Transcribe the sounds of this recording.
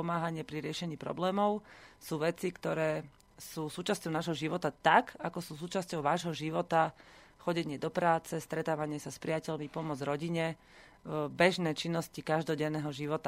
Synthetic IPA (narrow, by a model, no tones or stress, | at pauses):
ɔmaːɦaɲɪɛpɾiɾɪɛʃɛɲiːpɾɔ̰blɛːmɔʊsuːʋɛt͡sikt̪ɔɾɛː | suːsuːt͡ʃascɔʊnaːʒɦɔʒiʋɔt̪at̪akakɔsuːsuːt͡ʃascɔʊʋaːʒɦɔʒiʋɔt̪a | xɔɟɛɲɪɛd̪ɔpɾaːt͡sɛst̪ɾɛt̪aːʋaɲɪɛsaspɾiacɛʎmipɔmɔd͡zɾɔɟiɲɛ | bɛʒnɛːt͡ʃinːɔscikaʒd̪ɔɟɛnːɛːɦɔʒiʋɔt̪a